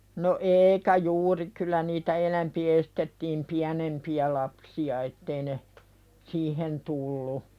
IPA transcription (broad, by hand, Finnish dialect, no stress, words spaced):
no eikæ juːri kylˑæ niːtæ enæmpi estetːiːm piænempiæ lɑpsiɑ etːei ne siːhen tulːu